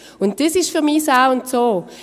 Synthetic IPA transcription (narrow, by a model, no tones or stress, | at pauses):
ʊnt̚d̥esɪʃfyʁmisaʊʊntsoː